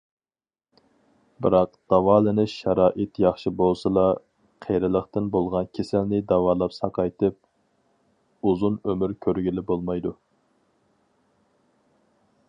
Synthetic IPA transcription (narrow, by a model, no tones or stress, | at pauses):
bɪɾɑqd̪̥ɑwɑːlˠɨnɨʃɑɾɑːʔɪt̪jɑχʃibolˠsɨlˠɑ | qʰejɾɨlˠəχt̪ɨnbolˠʁɑnkʲʰesɪlnɪd̪ɑwɑːlˠɑpsɑqʰɑjt̪ʰɨp̚ | uzunømyɾkʲʰøɾɡʲilɪbolˠmɑjd̪u